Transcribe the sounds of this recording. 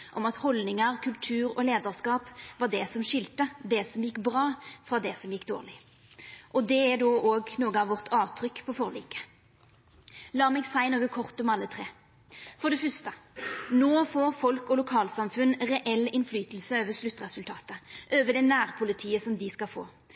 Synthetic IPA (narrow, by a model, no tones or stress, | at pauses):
ʔɔmɑt̪hɔlnɪŋəʁkʰʉlt̪ʰʉːɾɔleːd̪əʁskɑːpʋɑʁd̪ɛsɔmʃɪlt̪əd̪ɛsɔmjɪkːbʁɑːfʁɑːd̪ɛsɔmjɪkːd̪o̰ːʁlɪ | ʔɔd̪ɛɛd̪oːʔoːɡnoːɡəɑʋɔʁt̪ʰɑːʋt̪ʰʁʏkːpʰɔfɔʁlḭːkə̥ | lɑːmɛːɡsæɪnoːɡəkʰɔʁt̪ɔmɑlːət̪ʰɾeː | fɔɖ̪ɛfœst̪ənoːfoːfɔlkɔlʊkʰɑːlsɑmfʉnʁɛʔɛlːɪnflyːt̪əl̩səøːʋəʂlʉt̪ːʁɛsʉlt̪ʰɑːt̪əʔøːʋəd̪ɛnæːʁpʰʊlɪt̪ʰiːəsɔmd̪ɪskɑfo̰ː